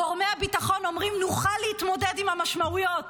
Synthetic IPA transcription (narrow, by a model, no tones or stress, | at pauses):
oʁmeabitaχo̞no̞mʁimnuχalːehitmo̞dedimhamaʃmaujo̞t